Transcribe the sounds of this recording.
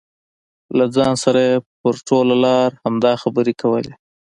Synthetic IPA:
lad͡zɑnsaɾajepəɾʈolalɑɾhamd̪ɑxabəɾekʰawəle

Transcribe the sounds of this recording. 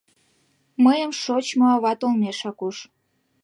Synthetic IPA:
məjəmʃot͡ɕmoɑβɑt̪olmeʃɑkuʃ

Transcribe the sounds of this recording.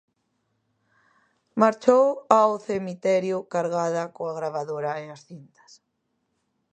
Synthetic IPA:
maɾt͡ʃowawθemit̪ɛɾjʊkaɾɣaðɐkoaɣɾaβaðoɾɐeasθint̪ɐ̥s

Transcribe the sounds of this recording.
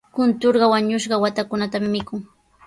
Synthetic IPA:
kʊnt̪oɾɢɑwaɲʊʃɢɑwat̪akʊnat̪amɪmɪkʊŋ

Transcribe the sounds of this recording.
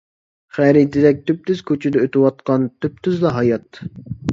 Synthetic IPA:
χæɾit̪ʰɪd̪ɛk̚ʲt̪ʰyp̚t̪ʰyz̥kʲʰøt͡ʃʰɪd̪ɛøt̪ɪwɑt̪̚qɑnt̪ʰyp̚t̪ʰyzd̪ɑɦɑjɑt̪

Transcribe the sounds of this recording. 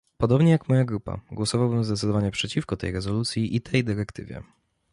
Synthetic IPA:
pɔd̪ɔbɲɛjakmɔjaɡɾupa̰ɡwɔsɔvawbɘmzd̪ɛt̪sɘd̪ɔvaɲɛpʂɛt͡ɕifkɔt̪ɛ̰jɾɛzɔlut̪sʲjiʔit̪ʰɛjd̪ɘɾɛkt̪ɘ̰vʲjɛ̰

